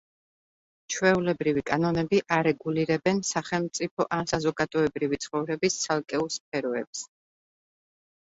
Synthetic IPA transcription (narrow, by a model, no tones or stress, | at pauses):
t͡ʃʰwɛulɛbɾivikʼanɔnɛbiʔaɾɛɡuliɾɛbɛnsaχɛlˠmt̪sʼipʰɔʔasazɔkʼad̪ʼɔɛbɾivit̪sʰχɔvɾɛbist̪sʰalˠkʼɛulˠsp̚ʰɛɾɔɛps